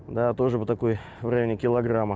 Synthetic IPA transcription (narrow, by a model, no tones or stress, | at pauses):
d̪at̪o̞ʐɨpət̪ɐko̞j | vɾɐjʲnʲɪkʲɪlˠɐɡramə